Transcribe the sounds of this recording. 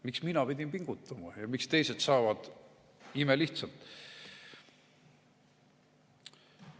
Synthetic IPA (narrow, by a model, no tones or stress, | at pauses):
miksminɑpid̪̥ʲimpiŋɡ̥ut̪ːˑɑmɑjɑmikst̪e̞jse̞t̪sɑːvɑd̪̥ | imeliht̪sɑlt̪ˑ